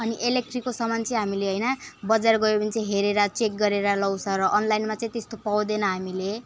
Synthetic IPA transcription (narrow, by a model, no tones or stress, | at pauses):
ʌniʔelek̚ʈrikːosʌmant͡sʌĩɦamileɦʌjnʌbʌd͡zarɡʌepʌnit͡sʌ̃ĩɦeɾeɾat͡sek̚ɡʌɾeɾalʌwt͡sʰʌ̃ɾʌʔʌnlajnmat͡sʌ̃ĩt̪est̪opawd̪enʌɦamile